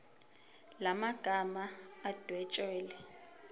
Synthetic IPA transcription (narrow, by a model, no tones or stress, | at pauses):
lamaɡ̥ʱamaːd̥ʱwɛt͡ʃʼɛːlɛ